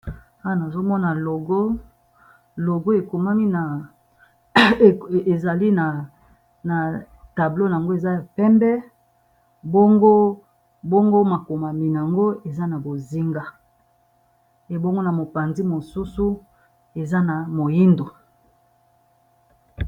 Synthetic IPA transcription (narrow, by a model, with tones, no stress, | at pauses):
a˦wa˨na˨zo˦mɔ˦na˨lo˨ɡo˦ | lo˨ɡo˦e˨ko˨ma˦mi˦na˨ | e˨za˨li˦na˨ | na˨ | ta˨blo˦n˨a˨ŋɡo˦e˨za˦ja˨pɛ˦mbɛ˦ | bo˦ŋɡo˦ | bo˦ŋɡo˦ma˨ko˨ma˨mi˨n˨a˨ŋɡo˦e˨za˦na˨bo˨zi˦ŋɡa˦ | e˨bo˦ŋɡo˦na˨mo˨pa˨nzi˦mo˨su˦su˦ | e˨za˦na˨mo˨ji˦ndo˨